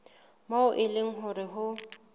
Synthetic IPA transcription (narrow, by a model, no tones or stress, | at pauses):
maʊʔɪleŋ̩ɦʊrɪɦʊ